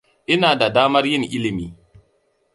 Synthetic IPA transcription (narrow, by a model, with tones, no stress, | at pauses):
ʔɪ˦naː˨da˨daː˦mɐ˦rjɪ˦ŋʔɪ˦lɪ˨miː˨